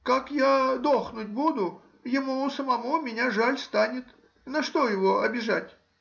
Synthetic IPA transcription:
kakjad̪oxnʊt̚ʲbud̪ʊ | jɪmusəmɐmumʲɪnʲaʐalʲst̪anʲɪt̪ | nɐʂt̪o̞jɪvoɐbʲɪʐatʲ

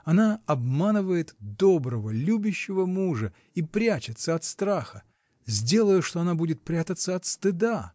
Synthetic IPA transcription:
ɐnaɐbmanɨvəjɪt̪d̪o̞bɾəvəlʲubʲʊɕːɪvəmuʐə | ipɾʲæt͡ɕɪt̪səɐt̪st̪ɾaxə | zʲdʲe̞lˠəjʊʂt̪oɐnabudʲɪt̪̚pɾʲat̪ət̪səɐt̪st̪ɨd̪a

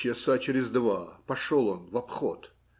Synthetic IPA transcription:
ɪəsat͡ʃɪɾʲɪzd̪vapɐʂolˠonvɐpχot̪

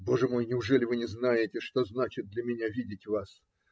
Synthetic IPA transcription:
bo̞ʐəmo̞jnʲɪʊʐɛlʲɪvɨnʲɪznajɪtʲɪʂt̪o̞znat͡ɕɪt̪̚d̪lʲɐmʲɪnʲavʲidʲɪtʲvas

